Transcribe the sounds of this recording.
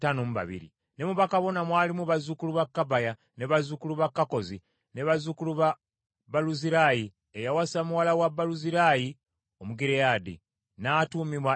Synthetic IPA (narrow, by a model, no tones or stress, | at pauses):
tanomuβa̰βḭɾḭ | ne̞muβakaβo̞namwaːlimuβazukuluβakːabaja | neβazukuluβakːako̞zi | neβazukuluβa | baluziɾaji | ejawasamuwalawabːaluziɾaji | o̞muɡiɾejadḭ | naːtuːmimwa